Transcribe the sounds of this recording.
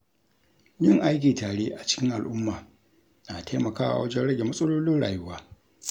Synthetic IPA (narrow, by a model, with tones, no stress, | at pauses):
jɪ˦˨ŋʔa˦jk̬ʲiː˨taː˨ɽeː˦ʔa˨t͡ʃɪ̥˦kʲɪ˦ŋʔa˨lʔʊ˦mːaː˨ | na˨tʰa˦mɐ˨kaː˦wa̰˨wɐ˦d͡ʒɛ˦nɽɐ˦ɡʲe˨mɐ˦sʼɐ˦loː˦lɪ˦nɽa̰ː˨jʊ˦waː˦